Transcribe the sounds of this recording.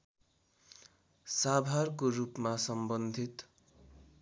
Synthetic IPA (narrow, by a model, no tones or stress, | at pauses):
sabʱarkorupmasʌmbʌnd̪ʱit̪